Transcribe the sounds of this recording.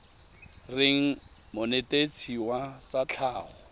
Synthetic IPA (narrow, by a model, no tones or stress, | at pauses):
rɪŋ̩ | mʊnetʼet͡sʰiwat͡sat͡ɬʰaːχɔ